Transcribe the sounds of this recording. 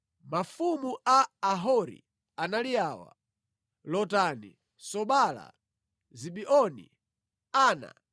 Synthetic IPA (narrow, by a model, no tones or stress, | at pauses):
mafumuʔaːɦɔɾḭ | analiaːwa̰ | lɔtanḭ | sɔɓala̰ | ziɓiʔɔnḭ | aːna̰